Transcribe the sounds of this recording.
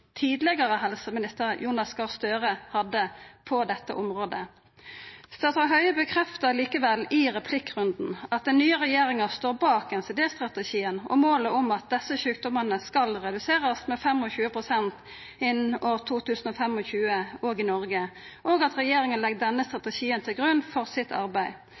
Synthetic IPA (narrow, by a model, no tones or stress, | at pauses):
t̪ʰiːd̪lɛɡɑɾəɦɛlsəmɪnɪst̪əɾjuːnɑskɑst̪øːʁəhɑd̪ːəpʰɔd̪ɛt̪ːə̰ʔɔmɾoːd̪ə | st̪ɑt̪ɑɦœʏbəkʰɾɛft̪əliːkəʋɛlːɪʁɛpʰlɪkːʁʉnd̪n̩ɑt̪̚d̪ɛnːyːəʁɛjeːɾɪŋɑst̪oːɾbɑːkɛnsɛd̪eːst̪ʁɑt̪ɛʃiːənɔ̰moːləʊmɑt̪̚d̪ɛsəɕʉːk̚d̪ɔmənəskɑlʁɛd̪ʉseːʁəsmɛfɛmɔçʉːəpʰʁʊsɛnt̪ | ɪnoːʁt̪ʰuːt̪ʉːsn̩ɔfɛmɔçʉːəoːɡɪnɔʁɡəʔoːɡɑt̪ʁɛjeːɾɪŋənlɛɡ̚d̪ɛnːəst̪ʁɑt̪ɛʃiːənt̪ʰɪlɡʁʉnːfɔʁsɪt̪ʰɑ̰ʁbæɪ